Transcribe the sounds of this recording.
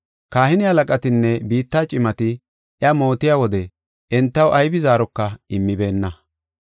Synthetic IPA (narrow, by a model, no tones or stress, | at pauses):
kaːhɪnɪhɐlɐkʼɐt̪ɪnːɛbiːt̪ːaːt͡ʃʼɪmɐt̪ɪ | jɐmo̞ːt̪ɪjaːwɔd̪ɛ | ɛnt̪ːɐwʔɐjbɪzaːɾɔkːɐɪmːɪbe̞ːnːɐ